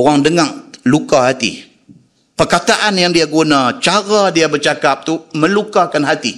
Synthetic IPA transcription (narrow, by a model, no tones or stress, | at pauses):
oɾaŋdəŋaʔlukahat̪ḭ | pərkat̪aʔanjaŋdiaɡunãt͡ʃaɾadiabərt͡ʃakap̚t̪umə̃lukakanɦat̪i